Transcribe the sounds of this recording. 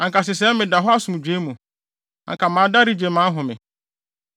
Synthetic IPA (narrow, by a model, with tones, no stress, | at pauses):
ã˨ŋka˨s̬ɪ˨s̬ɛ˦mɪ̃˨da˨ɦɔ˦a˦sũ˨m˨d͡ʑᶣe˨˦mũ˨ | a̰˨ŋkʰa˨mã˨˦da˦ɾi˦d͡ʑe˨mã˨˦ɦʊ̃˨mɪ̰̃˨